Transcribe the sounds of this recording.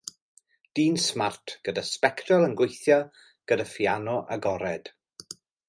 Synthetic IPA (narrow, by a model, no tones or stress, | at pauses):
d̥iːnsmartʰɡ̥ədaspɛktʰrɔlˠənɡwejθjɔ | ɡ̥ədafianɔʔa̰ɡɔɾɛd̥